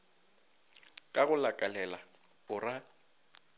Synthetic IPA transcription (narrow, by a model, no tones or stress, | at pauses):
kʼaɣʊlakʼalɛla | ʊra